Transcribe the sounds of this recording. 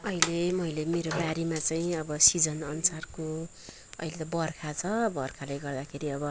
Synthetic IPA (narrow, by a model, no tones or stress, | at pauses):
ʌilemʌjlemeɾobaɾimat͡saj̃ʌbʌsid͡zʌnʌnusarko | ʌ̰ilet̪ʌbʌrkʰat͡sʰʌbʌrkʰalajɡʌrd̪akʰeɾiʌbʌ